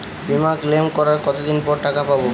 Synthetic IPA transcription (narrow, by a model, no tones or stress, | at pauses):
bimaklemkɔɾaɾkɔt̪od̪inpɔɾʈakapabo